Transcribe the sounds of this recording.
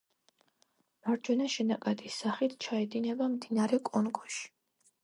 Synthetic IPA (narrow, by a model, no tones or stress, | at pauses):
maɾd͡ʒwɛnaʃɛnakʼad̪isːaχit̪ʰt͡ʃʰaɛd̪inɛbamd̪inaɾɛkʼɔnɡɔʃi̥